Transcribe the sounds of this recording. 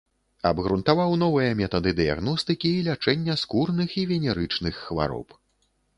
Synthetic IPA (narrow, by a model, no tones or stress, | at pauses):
ɐbɣɾunt̪avawnɔvɨjɐmʲɛt̪ɐd̪ɨd̪ɨja̰ɣnɔst̪ɨkʲiːlʲat͡ʂɛnʲːɐskurnɨxivʲɛnʲɛɾɨt͡ʂnɨxːva̰ɾɔ̰p